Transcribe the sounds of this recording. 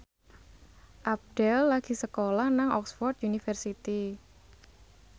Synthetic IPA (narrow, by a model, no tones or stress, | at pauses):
ʔap̚d̥ɛlːaɡ̥i̤səkolahnaŋɔ̰ksfɔrt̪̚junifərsit̪i